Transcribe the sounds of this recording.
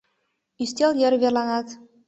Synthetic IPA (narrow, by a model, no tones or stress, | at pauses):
ysʲt̪ʲɑlˠjɤ̆rβʲerlˠɑnɑt̪